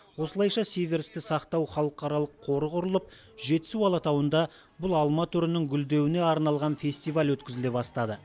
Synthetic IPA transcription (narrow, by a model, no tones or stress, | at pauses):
wo̞səlˠɑjʃɑsevʲe̞ɾst̪ɪsɑqt̪ɑwχɑlˠəqɑɾɑlˠəqʰːo̞ɾəʁʊɾəlˠəp̚ | ʒe̞t̪ɪ̥suɑlˠɑt̪ɑwənd̪ɑ | bʊlˠɑlˠmɑt̪ʰʏɾɪnɪŋɡʲʏld̪e̞wɪne̞ɑɾnɑlˠʁɑnfʲe̞sʲt̪ijvalʲwɵt̪kʲɪzɪle̞bɑst̪ɑd̪ə